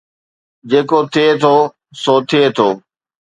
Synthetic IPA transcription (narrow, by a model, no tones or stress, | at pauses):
d͡ʑeːkot̪ʰɪet̪ʰoː | soːt̪ʰɪeːt̪ʰoː